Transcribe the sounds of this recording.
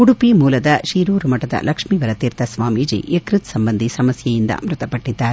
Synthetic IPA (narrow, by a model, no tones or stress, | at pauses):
kuɽupimuːlɐd̪ɐʃiːɾuːɾumɐʈɐd̪ɐ̰lʔɐkʂmiːʋɐɾɐt̪iːɾt̪ʰɐsʋaːmiːd͡ʒḭekɾit̪sɐmbɐnd̪isɐmɐsjɐjind̪ɐ̰mɾut̪ɐpɐʈːid̪ːaːɾe